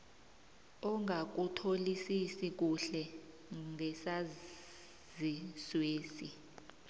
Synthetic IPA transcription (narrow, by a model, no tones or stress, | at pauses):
ɔŋɡʱak̬utʰolisisik̬uɬɛ | ŋʱɛsa | zisweːsi